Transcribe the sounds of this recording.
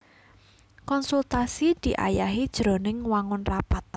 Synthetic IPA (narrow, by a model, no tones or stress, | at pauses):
kɔnsult̪asid̪̥i̤ʔa̰jaɦid̥ʒ̥ɾo̤nɪŋwaŋʊnrapat̪̚